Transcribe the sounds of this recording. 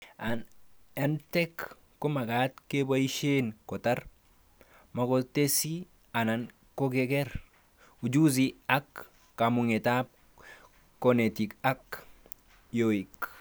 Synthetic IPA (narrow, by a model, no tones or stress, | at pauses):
antɛkː | omaɡatkebaiʃenkɔtaɾ | makotesi | anan | koɡeɡɛɾ | ud͡ʒuziakː | amuŋetap̚ː | onetikak | joik